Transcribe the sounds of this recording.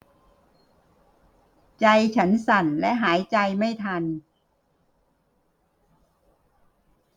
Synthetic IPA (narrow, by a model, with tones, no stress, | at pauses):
t͡ɕa˧jt͡ɕʰa˦˥nsa˨˩nlɛ˦˥ʔɦaː˩˦jt͡ɕa˧jma˥˩jt̪ʰa˧n